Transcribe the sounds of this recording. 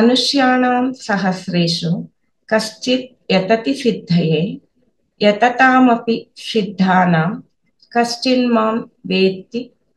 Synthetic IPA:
mɐnuʃjaːnaːmsɐɦɐsɾeːʃu | kɐʃt͡ʃit̪̚jɐt̪ɐt̪isid̪ʱːɐjeː | jɐt̪ɐt̪aːmɐpisid̪ʱːaːnaːm | kɐst͡ʃinmaːmʋeːt̪i

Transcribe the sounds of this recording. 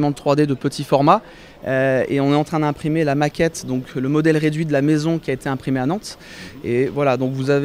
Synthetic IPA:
mɑ̃ət̪χwad̪ed̪əpət̪ʰifɔʁma | øḛɔ̃nɛt̪ɑ̃t̪χɛ̃d̪ɛ̃pχimelamakʲɛt̪d̪ɔ̃kləmɔd̪ɛlʁed̪ɥid̪əlamezɔ̃kʲiaet̪eɛ̃pχimeanɑ̃t̪ | evwalad̪ɔ̃kvuzav

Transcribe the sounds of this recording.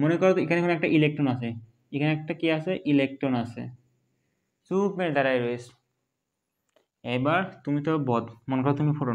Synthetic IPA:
monekɔɾat̪oekʰanekʰonoɔɛk̚ʈaʔilek̚ʈɾɔnasʰe | ekʰaneɛk̚ʈakiasʰeʔilek̚ʈɾonasʰḛ | supmed̪aɾajɾoes | ejbaɾt̪umit̪ɔbɔd̪monekɔɾat̪umifʰoʈo

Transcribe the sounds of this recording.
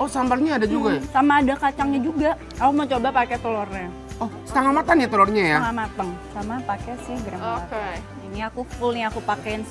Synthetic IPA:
ʔɔsambalɲaːdad͡ʒuɡasamaːdakat͡ʃaŋɲad͡ʒuɡa | akumət͡ʃobapakɛt̪olɔrɲa | ɔsə̥t̪aŋalmat̪anɲat̪olɔrɲajamamat̪əŋsamapakɛsɪhɡɾamaka | iniakufulniakupakɛɪn

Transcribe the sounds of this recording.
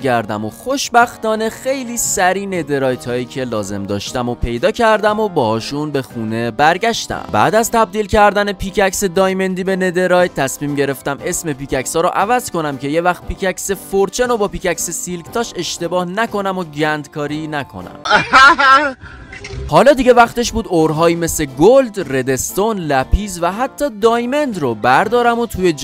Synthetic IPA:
ɡæɾd̪æ̰moxo̞ʃbæxt̪ɒːne̞xe̞jliːsæɾiːne̞d̪e̞ɾɒːjt̪ʰhɒːjiːcʰe̞lɒːze̞̰md̪ɒ̰ːʃt̪æmopʰe̞jd̪ɒːcʰæɾd̪æmo̞bɒːhɒːʃunbe̞xuːne̞bæɾɡæʃt̪æ̰mbæ̰ːd̪æzt̪ʰæb̚d̪iːlcʰæɾd̪æne̞pʰiːcʰæcsed̪ɒːjme̞nd̪iːbe̞ne̞d̪e̞ɾɒjt̪ʰt̪ʰːæsmiːmɟe̞ɾe̞ft̪æme̞sme̞piːcæcsɒːɾɔʔævæzko̞næmcʰe̞je̞væxt̪̚picʰæcsefoɾt͡ʃʰenobɒːpiːcæksesilɡt̪ʰɒːʃe̞ʃt̪e̞bɒːhnæko̞næmoɟænd̪kʰɒːɾiːnækʰo̞̰næ̰m | hɒːlɒːd̪iɟe̞væχt̪e̞ʃbuːd̪oɾɦɒːjime̞sle̞ɡold̪red̪e̞st̪onlæpʰiːzvæɦæt̪ʰːɒːd̪ɒːjme̞nd̪ɾobæɾd̪ɒːɾæmot̪ʰujed͡ʒ

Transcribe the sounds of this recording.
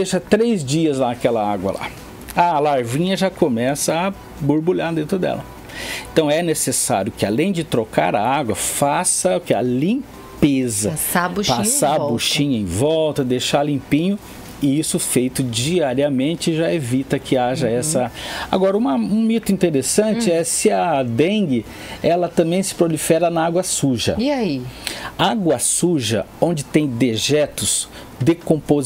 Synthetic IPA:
d̪eʃɐt̪ɾezd͡ʒiɐzlaɐkɛlɐaɡwɐ̰la̰ | alaɾvĩɲɐʒakomɛsɐː | boɾbuʎad̪ẽnt̪ɾʊd̪ɛ̰lɐ | ẽt̪ɐ̃w̃ɛnesesa̰ɾjʊkɪalẽj̃d͡ʒɪt̪ɾoka̰ɾɐaɡwɐfasɐʊkɪɐ̰lĩ | pezɐsabuʃpasabuʃĩɲʊẽj̃vɔwt̪ɐd̪ejʃalĩpĩɲʊ | ɪisʊfejt̪ʊd͡ʒiaɾiɐmẽnt͡ʃɪʒaevit̪ɐkʰɪaʒɐɛsɐa̰ɡɔɾɐũmɐũmit̪ʊĩnt̪eɾesɐ̃nt͡ʃɪɛsɪɐd̪ẽɡɪ | ɛlɐt̪ɐ̃mbẽj̃sɪ̥pɾolifɛɾɐnɐaɡwɐsuʒɐ̰iaiaɡwɐsuʒɐ̰õnd͡ʒɪt̪ẽj̃d̪eʒɛt̪ʊs | d̪ekõmpoz

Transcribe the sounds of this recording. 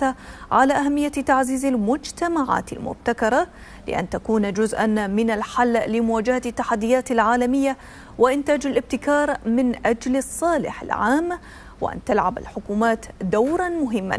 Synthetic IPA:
aʕalaːʔaɦamːɪjːat̪aʕziːzalmʊd͡ʒt̪amaʕa̰ːt̪a̰lmʊ̰b̚t̪akɑɾˤɑ | lɪ̰ʔa̰nt̪akuːnd͡ʒʊzʔanmɪnalħalːlɪmʊwaːd͡ʒahat̪ːaħad̪ːɪjaːt̪alʕaːlamɪjːa | wɪʔɪnt̪aːd͡ʒalʔɪb̚t̪ɪkɑːɾˤmɪnʔad͡ʒlsˤːɑːlɪ̰ħa̰lʕaːm | wɪ̰ʔa̰nt̪alʕaba̰lħʊkuːmaːt̪d̪awɾˤɑnmʊɦɪmːa̰n

